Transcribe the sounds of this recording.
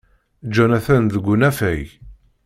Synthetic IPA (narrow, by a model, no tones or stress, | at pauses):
d͡ʒːænæθænðəɡʷːunæfæj